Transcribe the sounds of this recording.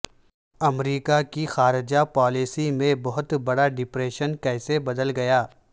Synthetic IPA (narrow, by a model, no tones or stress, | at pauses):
ɐmɾiːkakixaːɾɪd͡ʒapɔːlisimẽbɐɦʊt̪bɐɽaɖɪpɾeːʃənkɛːsebɐd̪əlɡɐjaː